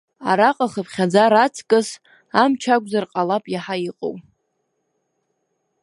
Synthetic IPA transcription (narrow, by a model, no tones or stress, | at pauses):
a̰ɾaqʼaχəpʰχʲad͡zaɾat͡sʰkʼɨs | amt͡ʃʰakʷʼzarqʼalapʼjaħaiqʼo̰w